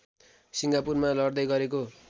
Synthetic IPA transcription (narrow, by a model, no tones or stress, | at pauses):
siŋɡapurmalʌrd̪ʌjɡʌɾeko